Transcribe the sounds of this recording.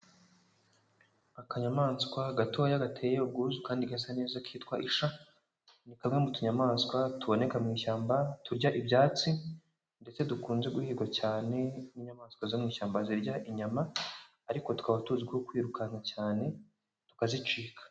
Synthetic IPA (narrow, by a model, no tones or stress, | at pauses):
akaɲamaːnskwaɡatoajaɡatʰejeob̚ɡuzukaːndiɡas̬ane̞ːzakʰiːtkwaʔiʃa | nikamŋe̞mutuɲamaːnskwatuβo̞ne̞kamŋiːʃaːmbatuɾɟaʔibjaːt͡si | nde̞t͡se̞dukuːnze̞ɡuhiːɡwacaːne̞niɲamaːnskwazomŋiːʃaːmbaziɾɟaʔiɲamaː | ɾiko̞tu̥kaβatuzibwokwiːɾukʰanacaːne̞ | tu̥kazit͡ʃiːkʰḁ